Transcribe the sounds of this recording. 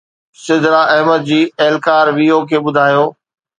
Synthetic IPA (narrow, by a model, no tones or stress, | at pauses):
sɪd̪ɾaʔɐɦməd̪̚d͡ʑiːɛɦlkaːɾʋiːokʰeːɓʊd̪ʱaːjoː